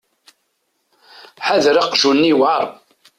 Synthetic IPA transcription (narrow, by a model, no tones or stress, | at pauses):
ħaðɾɑqʒunːiwʕɑɾˤ